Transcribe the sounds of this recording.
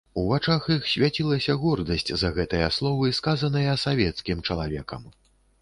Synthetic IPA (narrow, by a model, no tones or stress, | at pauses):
uvat͡ʂaxjixsʲvʲat͡sʲilˠɐsʲɐɣɔrd̪ɐsʲt͡sʲzɐɣɛt̪ɨjɐslˠɔvɨskazɐnɨjɐsavʲɛt̪skʲimt͡ʂɐlˠavʲɛkɐ̰m